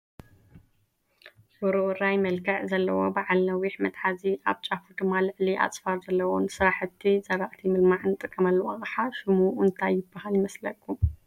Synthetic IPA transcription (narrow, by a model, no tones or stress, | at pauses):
foɾuʔɾajmɐlɡʰɐʕzɐlːɐwo̞̰baʕalnɐwiħmɐt̪ʼħaziʔaβt͡ʃʼafud̪ɨmːalɨʕliʔa̰t͡sʼfaɾzɐlːɐwo̰nsɨɾaħɨt̪ʰːizɐβaʔt̪ʰimɨlmaʕɨnɨt̪ʼɨkʼːɐmɐlːwɐχʼħaʃɨmuɨnt̪ʰajɪbːahaljɪmɐslɐkʼːu